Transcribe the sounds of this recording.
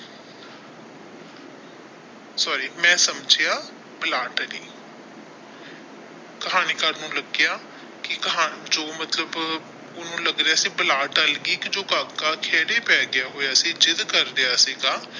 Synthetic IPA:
sɔːɾiːmɛ̃ːsəmd͡ʒejaː | bəlaːʈːnḭː | kəɦaːniːkaːɾnũːləɡjaː | kɪkəɦaːd͡ʒoːmət̪ləb | ʊnũːləɡɾɪaːsiːbəlaːʈəlɡiːkɪd͡ʒoːkaːkːaːkʰeːɽeːpɛːɡɪjaːɦoːjaːsiːd͡ʒɪd̪kəɾɾɪjaːsiːɡaː

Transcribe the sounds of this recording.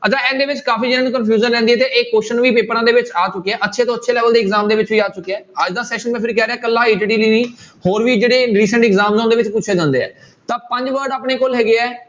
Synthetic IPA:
ət͡ʃʰaːɛ̃ːnd̪eːʋɪt͡ʃkaːpiːd͡ʒɪnãːniːkənpʰjuːzənlɛ̃ːnd̪iɛːt̪eʔeːkːoːʃənʋiːpeːpəɾãːd̪eːʋɪt͡ʃaːt͡ʃʊkːeɛːʔətːʃʰeːt̪õːətːʃʰeːlɛːʋəld̪eːɪɡzaːmd̪eːʋɪt͡ʃʋiːd͡ʒaːt͡ʃʊkːeɛːəd͡ʒd̪aːsɛːʃənmɛ̃ːpʰɪɾkɛːɾeːɛːkəlːãːeːʈiʈiːliːniːhoːɾʋiːd͡ʒeːɽeːɾiːsə̃ɳʈɪɡzaːmzõːnd̪eːʋɪt͡ʃpuːt͡ʃʰeːd͡ʒãːnd̪ḛːɛ̰ː | t̪ãːpə̃ɲd͡ʒʋəɾɖaːpɳeːkolɦɛːɡeːɛː

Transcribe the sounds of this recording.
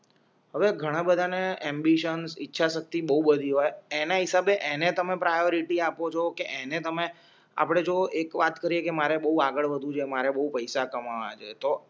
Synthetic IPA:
ɦəʋeɡʱəɽ̃ãbəd̪ʱaneɛmbiʃənsitːʃʰaʃək̚t̪ibəɦubəd̪ʱiɦojenaɦɪsabeʔenet̪əmepɾajoɾiʈiapot͡ʃʰokeʔenet̪əme | a̰pɽ̃ed͡ʒoekʋat̪kəɾiekemaɾebəɦuaɡəɭʋəd̪ʱũd͡ʒemaɾebəɦupəjsakəmaʋa̰t͡ʃʰet̪o

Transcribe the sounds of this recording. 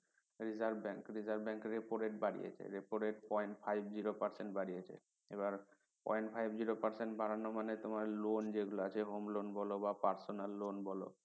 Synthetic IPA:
ɾizaɾbbɛŋkɾizaɾbbɛŋkɾepoɾeʈbaɽḭjḛt͡ɕʰa̰ɾepoɾeʈ̚pɔjɳʈfʰajbd͡ʑiɾopaɾseɳʈbaɽijet͡ɕʰḛ | ebaɾ | pɔ̰jɳʈpʰajbd͡ʑiɾopaɾseɳʈbʱaɾanomanet̪omaɾlond͡ʑeɡuloat͡ɕʰeɦomlonbɔlobapaɾsonalːonbɔlo̰

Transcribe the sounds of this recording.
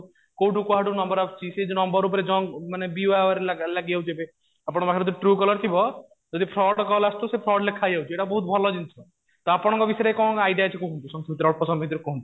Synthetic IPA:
kowʈukuɦaʈunɔmbɔɾapt͡ʃʰised͡ʒnɔmbɔɾup̬ɾed͡ʒɔŋɡmanebiaʋaɾelalaɡiawd͡ʒebe | apɔɽ̃makʰeɾɔd̪̬uʈɾukɔlɔɾt̪ʰibɔ | d͡ʒɔd̪ipʰɾɔɽkɔlast̪usepʰɾɔɖlekʰajawt͡ʃʰeʈabɔɦut̪bʱɔlɔd͡ʒint̪ʰiɔ | t̪ɔapɔɽɔ̃ŋkɔbisɔɾekɔ̃ajɖijat͡ʃʰikuɦunt̪usɔ̃ŋt̪ʰimt̪ɾɔpɔsɔmbet̪iɾekoɦunt̪u

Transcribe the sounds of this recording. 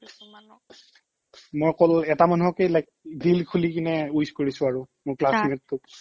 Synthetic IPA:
mojkɔlɛtamanuɦɔkejlajk̚dilkʰulikinɛujskoɹisʊ̃aɹumʊɹklasmitːʊ

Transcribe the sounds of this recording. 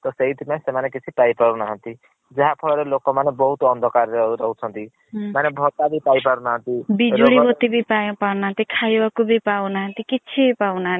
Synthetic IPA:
t̪ɔseɦit̪ʰimesemanekit͡ʃʰipajpaɾunaɦɔnt̪i | d͡ʒaɦapʰɔɭɔɾelokɔmanebɔɦut̪ɔɔnd̪ʱɔkaɾɾeuɾɔɦut͡ʃʰɔnt̪i | manebʱɔt̪abʱipaipaɾunaɦɔ̃nt̪ibid͡ʒʱuɽibɔt̪ibʱipajpawnaɦnt̪ikʰajbakubʱipawnaɦʌnt̪ikit͡ʃʰibipawnaɦ

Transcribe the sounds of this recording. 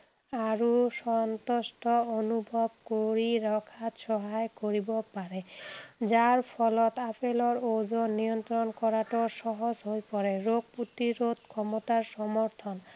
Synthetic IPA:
aɾuʃɔnt̪osʈɔonubʱɔb̚koɾiɾɔkʰat̪ʃɔɦaekoɾibopaɾed͡ʑaɾpʰɔlɔt̪apelɔɾod͡ʑonːijɔnt̪ɾɔnkɔɾaʈoʃɔɦod͡ʑɦojpɔɾeɾoɡ̚put̪iɾot̪̚kʰɔmot̪aɾʃɔmoɾt̪ʰɔn

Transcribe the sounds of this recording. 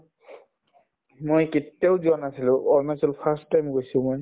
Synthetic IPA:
mojketːiaʊzuanasilʊ̃ʔɔɹnasulpʰasajmɡojsʊ̃moj

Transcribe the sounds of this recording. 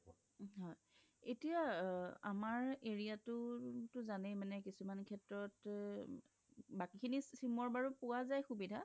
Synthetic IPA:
ɦɔj | etijaa̰maɹeɹijatʊtʊzanɛjmanɛkisumankʰɛtɹɔt | bakikʰinisimɔɹbaɹupʊwazajxubidʱa

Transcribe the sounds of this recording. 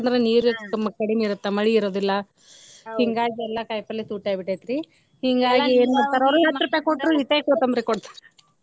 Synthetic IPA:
nd̪ɐɾeniːɾut̪ɐmːɐkɐɽimiiɾut̪ːɐmɐɭiːɾoːd̪ilːɐ | hiŋɡaːɡiɛlːɐkɐjpɐlːisuːʈaːɡibiʈɐjt̪ɾi | hiŋɡaːɡieːnumiɾt̪aːɾɐɾujaːt̪ɾɐpekoʈːɾuit̪ekot̪ɐmbɾikɔɽt̪ḁːɾe

